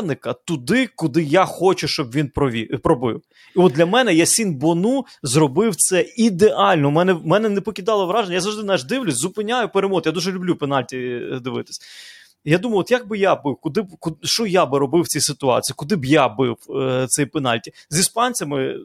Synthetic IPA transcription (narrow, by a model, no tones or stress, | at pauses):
nɪkɐt̪ʊd̪ɪkʊd̪ɪjaxɔt͡ʃʊʃt͡ʃɔbʋʲinpɾɔʋʲḭpɾɔbɪ̰w | iɔt̪dlʲɐmɛnɛjasʲinbɔnu | zrɔbɪwt̪sɛid̪eʔɑlʲnɔmɛnɛmɛnɛnɛpɔkʲid̪ɑlˠɐʋɾɑʒenʲɐjazɐwʒd̪ɪnaʒd̪ɪwlʲʊsʲzʊpɪnʲajʊpeɾemɔd̪jad̪uʒɛlʲʊblʲupenɑlʲtʲid̪ɪʋɪ̰t̪ɪ̥sʲɐ | jad̪umɐjɔt̪jaɡ̚bɪjabɪwkʊd̪ɪbkʊʃt͡ʃɔjabɪɾɔbɪwt͡sʲijsɪt̪ʊɑ̰t͡sʲijikʊd̪ɪbjabɪwt̪sɛjpɛnɑ̰lʲtʲizʲispɑnʲt͡sʲɐmɪ